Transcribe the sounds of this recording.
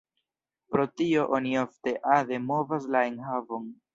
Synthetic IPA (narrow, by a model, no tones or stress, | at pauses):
pɾo̞tio̞ʔo̞niofte̞ʔaðe̞mo̞vas̬laenhavo̞n